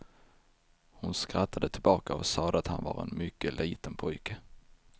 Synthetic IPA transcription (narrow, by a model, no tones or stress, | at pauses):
hʊnskɾat̪ʰːad̪ət̪ʰɪlbɑːkaɔsɑːd̪əat̪hanvɑɾɛ̰nmʏkːəlʔiːt̪ənpʰɔjkə